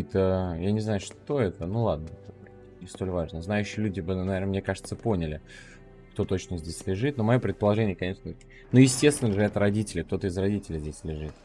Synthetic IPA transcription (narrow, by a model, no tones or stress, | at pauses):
t̪əjanʲɪznajʊʂt̪o̞ɛt̪ənulˠad̪̚nət̪ | nʲɪst̪o̞lʲvaʐnəznajʉɕːɪəlʲudʲɪbɨnnɐvʲenəmnʲe̞kaʐɨt̪səpo̞nʲɪlʲɪ | kt̪o̞t̪o̞t͡ɕnəzʲdʲesʲlʲɪʐɨt̪nomɐjo̞pɾʲɪt̪̚pəlˠɐʐɛnʲɪjəkɐnʲe̞ʂnə | nojɪsʲtʲest̪vʲɪnəʐɨɛt̪ɾɐdʲitʲɪlʲɪkt̪o̞t̪əɪzrɐdʲitʲɪlʲɪzʲdʲesʲlʲɪʐɨt̪̚